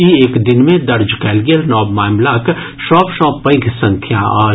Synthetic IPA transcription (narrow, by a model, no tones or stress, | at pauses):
ieːkd̪ɪnmẽd̪ɐɾd͡ʒkɛːlɡijəlnɔːbmaːmlaːk | ʃɔːpʃɔːpːə̃ɪ̃ɡʰsɐ̃ŋkʰjaaː